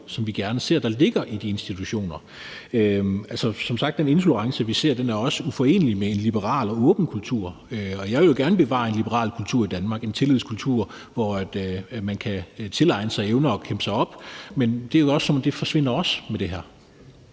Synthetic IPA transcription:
sɒ̽mʋiɡ̥æɐnəse̝ɐ̰d̥ɑ̈le̝ɡ̥ɐʔid̥ie̝nsd̥it͡sʰuɕo̝̰ːnɐ | øælsɒsɒ̽msɑ̈ɡ̥d̥ene̝nfuləʁɑ̈ŋsəʋise̝ɐ̰d̥enæɐɒ̽səufɒ̽e̝̰ːnəlimeenlib̥əʁɑ̰̈ːlɒ̽ɔ̽ːb̥n̩kʰult͡sʰuɐ̰øɒ̽jɑ̈ɪʋe̝ljo̝ɡ̥æɐnəb̥e̝ʋɑ̰̈ːe̝nlib̥əʁɑ̰̈ːlkʰult͡sʰuɐ̰id̥ænmɑ̈ːɡ̥ent͡sʰe̝lið̞̰ˠskʰult͡sʰuɐ̰ | ʋɒæd̥mænkʰæt͡sʰe̝lɑ̈ɪnəsɑ̈ɪeʊnɐɒ̽kʰemb̥sɑ̈ɪɒ̽b̥mend̥e̝æɐjɒ̽sːɒ̽mɒmd̥e̝fɒ̽ɕʋe̝n̰ɐɒ̽smed̥e̝ɦæɐ̰

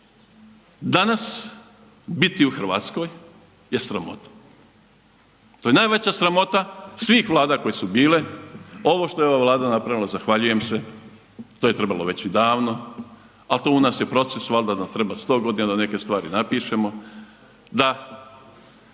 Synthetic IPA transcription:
d̪anas | bit̪iuxr̩ʋa̰ːt̪sko̞ːj | je̞sɾamo̞̰t̪ḁ | t̪ojenaːjʋet͡ɕasɾamo̞t̪asʋiːxʋlˠaːd̪ako̞jesubiːle̞o̞ʋo̞ʃt̪o̞jeo̞ʋaʋlˠaːd̪anapɾaʋilˠazaxʋaʎuje̞mse | t̪o̞ːje̞t̪ɾe̞balˠo̞̰ʋe̞t͡ɕid̪aːʋno̞ | alt̪o̞ːunaːsjepɾo̞t̪sesʋald̪ad̪amt̪ɾe̞bast̪o̞ːɡo̞d̪inad̪ane̞ke̞st̪ʋaːɾinapiːʃemo̞ | d̪a

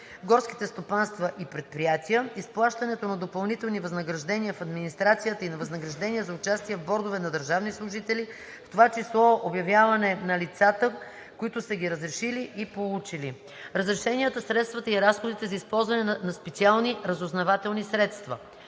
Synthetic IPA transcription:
ɡɔɾski̥t̪ɛst̪opanst̪vɐʔipɾɛt̪̚pɾijat̪ʲiəisplˠaʃt̪ɐnɛt̪onɐd̪opɐlˠnit̪ɛlˠnivɐznəɡɾɐʒd̪ɛnʲiəfɐd̪minist̪ɾat̪sijət̪əinɐvɐznəɡɾɐʒd̪ɛniəzɐʊt͡ʃast̪iɛvbɔɾd̪ovɛnɐd̪əɾʒavnislˠʊʒit̪ɛli | ft̪ovat͡ʃislˠɔobjɐvjavɐnɛnɐlit̪sat̪ə | koit̪ʊsəɡʲiɾəzɾɛʃiliʔipolˠut͡ʃili | ɾəzɾɛʃɛnijət̪əsɾɛt̪st̪vət̪əiɾasxod̪it̪ɛzɐispɔlˠzvɐnɛnnɐspɛt̪sialˠniɾɐzoznɐvat̪ɛlˠnisɾɛt̪st̪vɐ̰

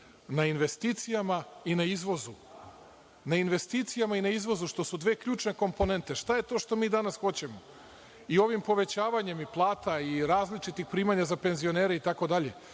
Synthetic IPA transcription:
nainʋe̞st̪iːt̪sijamainaizʋo̞zu | nainʋe̞st̪iːt̪sijamainaizʋo̞zuʃt̪o̞sud̪ʋe̞ːkʎuːt͡ʃne̞ko̞mpo̞ne̞nt̪eʃt̪aje̞t̪o̞ːʃt̪o̞miːd̪anasxo̞t͡ɕe̞mo | io̞ʋimpo̞ʋe̞t͡ɕaːʋaɲe̞miplˠaːt̪aiɾaːzlit͡ʃit̪ixpɾiːmaɲazape̞nzio̞neːɾeit̪ako̞d̪aʎe̞̰

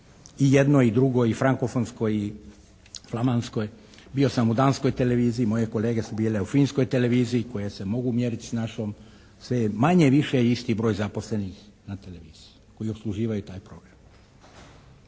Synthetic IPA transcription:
ije̞d̪no̞id̪ɾuɡo̞ifɾaŋkofonsko̞ji | flˠamanskoj | bio̞samud̪aːnsko̞jt̪e̞le̞ʋiːziimo̞je̞ko̞le̞ːɡe̞subiːle̞ufiːnsko̞jt̪e̞le̞ʋiːziːko̞je̞se̞mo̞ɡumjeːɾit̪i̥snaʃo̞m | sʋemaɲeʋiʃeist̪ibɾo̞ːjzapo̞sle̞nix | nat̪e̞le̞ʋiːz̥iuko̞jio̞pslˠuʒiːʋajut̪aːjpɾo̞ɡ̥ɾam

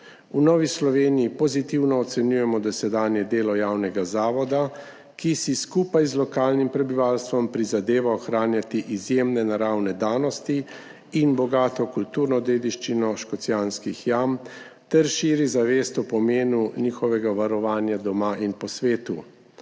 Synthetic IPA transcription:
unɔːʋislɔʋeːnijipɔzit̪iwnɔːt̪sɛnjujɛmɔd̪ɔsɛd̪aːnjɛd̪eːlɔjawnɛɡazaːʋɔd̪a | kisiskuːpajzlɔkaːlnimpɾɛbiʋaːlst̪ʋɔmpɾizad̪eːʋaɔxɾaːnjat̪iʔizjemnɛnaɾawnɛd̪aːnɔst̪iː | nbɔɡaːt̪ɔkult̪uːɾnɔd̪eːd̪iʃt͡ʃinɔʃkɔt̪sjaːnskixjam | t̪ɛɾʃiːɾizaʋeːst̪ɔpɔmeːnuniːxɔʋɛɡaʋaɾɔʋaːnjad̪ɔmaʔinpɔsʋeːt̪u

